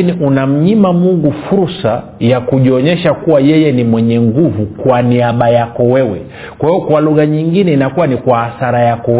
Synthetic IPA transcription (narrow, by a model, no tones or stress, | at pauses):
iniʔunam̩ɲimamuŋɡufuɾsa | jakuʄiɔɲɛʃakuwajɛjɛnimwɛɲɛŋɡuvukwaniaɓajakɔwɛwɛ | kwahiɔkwaluɣaɲiŋɡinɛinakuwanikwahaθaɾajakɔ